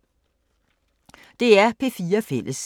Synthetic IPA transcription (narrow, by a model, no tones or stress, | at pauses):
d̥e̝æɐpʰe̝ːfiːɐfel̰ʔəs